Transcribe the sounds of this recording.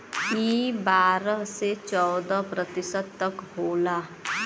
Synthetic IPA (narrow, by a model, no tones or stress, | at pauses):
ibaːɾəɦset͡ʃɔːd̪əpɾət̪ɪsəd̪̚t̪ɐkɦoːlaː